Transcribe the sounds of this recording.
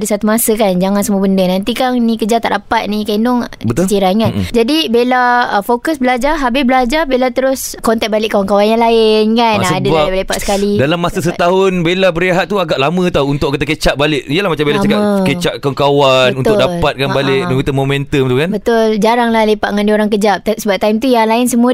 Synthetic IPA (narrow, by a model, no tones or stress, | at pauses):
dəsat̪umasəkand͡ʒaŋansəmuəbəndənãnt̪ikaŋnĩkəd͡ʒat̪a̰ʔdapat̪̚nikainʊŋbət̪siɾaŋand͡ʒadibelaəfokəsbəlad͡ʒaɦabɪsbəlad͡ʒarbelat̪əɾʊskɔnt̪ɛt̪̚balɪʔkawaŋkawanjaŋlaɪnkansədabaaalepaʔsə̥kalidalamːasəsət̪aɦʊnbelabəɾeɦat̪̚t̪ːuaɡaʔlamə̃t̪aunt̪ʊʔkət̪akət͡ʃaʔ̚balɪʔiəlahmat͡ʃambelasmkakət͡ʃaʔkankawabnənunʊkdalat̪̚kanbalɪʔdakit̪əmomɛ̃nt̪əmbt̪ukanbət̪ʊld͡ʒaɾaŋlahlepaʔŋãndioɾaŋkəd͡ʒaʔ̚t̪səbap̚t̪ajmt̪ujaŋlaɪnsəmũa